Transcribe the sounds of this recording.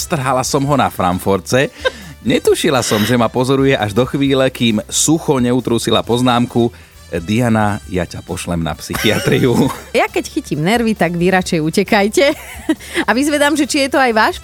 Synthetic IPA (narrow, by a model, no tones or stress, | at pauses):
st̪r̩ɦalasɔmɦɔnafɾa̰ɱfɔɾt͡sɛ | ɲɛt̪uʃilasɔmʒɛmapɔzɔɾujɛʔaʒd̪ɔxʋiːlɛkiːmsuxɔɲɛut̪ɾuːsila̰pɔznaːmku | d̪ijanaja̰capɔʃlɛmna̰psixiat̪ɾiujakɛcxicimnɛɾʋit̪aɡʋiɾat͡ʃɛjucɛkajcɛ | aʋizʋɛd̪aːmʒɛt͡ʃijɛt̪ɔajʋaːʃ